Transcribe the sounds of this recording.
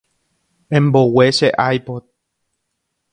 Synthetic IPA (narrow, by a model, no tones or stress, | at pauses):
ẽmboweʃeʔajpod̪̚